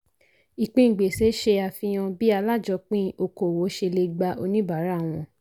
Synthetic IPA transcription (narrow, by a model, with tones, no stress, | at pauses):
i˨k͡pĩ˦˨ɡ͡be˨se˨˦ʃe˧a˧˨fĩ˧j̃ã˧bi˦a˧la˦˨d͡ʒɔ˧k͡pĩ˦o˧ko˨wo˨˦ʃe˧le˧ɡ͡ba˧ʔo˧nĩ˦ba˨˦ɾa˨˦˨w̃ɔ̃˧